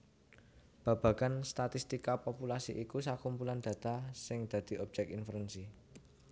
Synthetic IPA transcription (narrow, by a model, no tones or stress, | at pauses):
b̥a̤b̥ä̤ɡ̥anst̪at̪ist̪ikapopulasiʔikusakumpuland̪̥ä̤t̪asɪŋd̪̥ä̤d̪̥i̤ɔb̥̚d͡ʒ̥ɛk̚infəɾɛnsi